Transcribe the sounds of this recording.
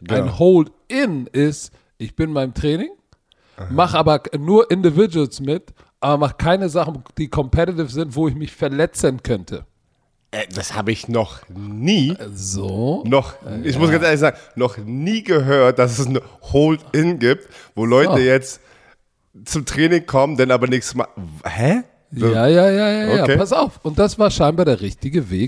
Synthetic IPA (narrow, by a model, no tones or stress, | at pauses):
aɪnhoʊlt | ʔɪnʔɪst | ʔɪçb̥ɪnmaɪnəmtʁ̥ɛːnɪŋ | maχʔaːbɐnuːɐʔɪndɪvɪd͡ʒulsmɪt | ʔaːbɐmaχəkʰaɪnəzaχn̩d̥iːkʰɔmpʰɛtɪtɪfz̥ɪntv̥oːɪçmɪçfɛɐlɛt͡sənkʰœntʰə̰ | ʔɛd̥asha̰ːbəɪçnɔχniːzonɔχɪçmʊsɡ̥ant͡sʔeːɐlɪçz̥aːɡŋ̩nɔχniːɡəɦøːɐt̚d̥as̬ɛsnhoːltɪnɡip̚tvoːlɔʏtəjɛt͡st | t͡sʊmtʁ̥ɛːnɪŋkʰɔməndɛnaːbɐnɪçsma̰hɛ | aːjaːjaːjaːojaːeːpasaʊfʔʊnt̚d̥asv̥aːɐʃaɪnbaɐdeːɐʁɪçtɪɡəveːk